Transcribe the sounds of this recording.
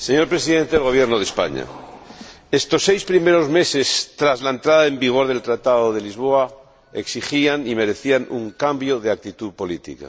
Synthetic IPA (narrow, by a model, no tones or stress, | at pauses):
se̞ɲo̞ɾpɾesiðe̞nt̪eelɣ̞o̞β̞jeɾnoð̞espa̰ɲa̰ | est̪o̞sːejspɾime̞ɾo̞zme̞se̞st̪ɾazlaent̪ɾaðaembiɣ̞o̞ɾðe̞lt̪ɾat̪aðoð̞e̞lizβ̞oa | eksixianime̞ɾe̞θianuŋkambjoð̞eak̚t̪it̪uðpo̞lit̪ḭka̰